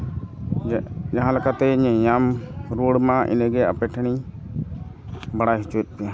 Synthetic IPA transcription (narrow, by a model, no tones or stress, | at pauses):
d͡ʒaɦãlakat̪ɛɲɛ̃jamɾuɽmãʔḭnɛɡɛa̰pɛʈʰɽ̃i | baɽajɦit͡ʃuɛt̪̚ˀpɛja